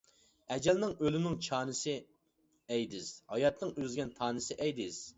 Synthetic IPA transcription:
ɛd͡ʒɛlnɪŋølɪnɪŋt͡ʃʰɑːnɨsɪ | ɛjd̪ɪz̥hɑjɑt̪nɨŋøzɡʲɛnt̪ʰɑːnɨsɪʔɛjd̪ɪz̥

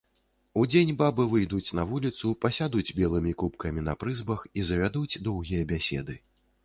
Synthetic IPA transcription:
ud͡zʲenʲbabɨvɨjd̪ut͡sʲnɐvulʲit̪supɐsʲad̪ud͡zʲbʲɛlˠɨmʲikupkɐmʲinɐpɾɨzbɐxizɐvʲad̪ut͡sʲd̪ɔwɣʲijɐbʲasʲɛ̰d̪ɨ

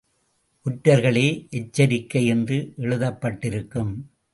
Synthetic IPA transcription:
ʔʊʈːɐɾɣɐɭeːʔɛt͡ʃːɐɾɪkːɐjɛndrɯʔɛɻɯðɐpːɐʈːɪɾɯkːɯm

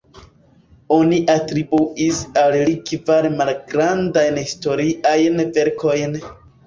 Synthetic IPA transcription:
oniʔatɾibuʔisallikvaɾemalɡɾandajnhisto̞ɾiʔajnve̞ɾkʰo̞jn

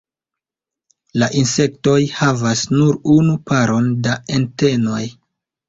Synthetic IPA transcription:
laʔinse̞k̚to̞jhavasnuɾunupʰaɾo̞ndaente̞no̞j

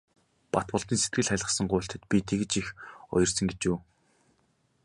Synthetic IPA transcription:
pat̪pʊ̆ɮt̪iːnset̪ɡɘ̆ɮχæɮʁə̆sə̆ŋɢʊːɬʲt̪ə̆t̪pʲit̪ʰeɣɘ̆t͡ɕixɔ̰jɞ̆rsə̆ŋɡet͡ɕuː

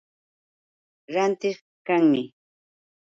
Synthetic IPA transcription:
ɾant̪ɪχ | kaŋmɪ

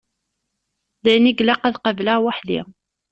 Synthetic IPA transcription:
ðæjniɡlaqæðqəvlaʁwaħlḭ

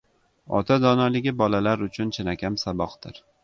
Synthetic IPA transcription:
ɒ̰t̪ʰad̪ɒnɒlɪɡʲɪbɒlalaɾʊt͡ʃʰʊnt͡ʃʰɪnakʲamsabɒqd̪ɪɾ

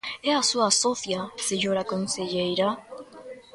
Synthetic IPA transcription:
ɛasuasɔθjaseɲoɾakonseʎejɾa

